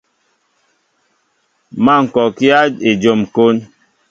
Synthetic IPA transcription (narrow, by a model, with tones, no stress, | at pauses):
ma˦˨ŋ̩˨kɔ˨ki˦a˦e˨d͡ʒo˨mko˦n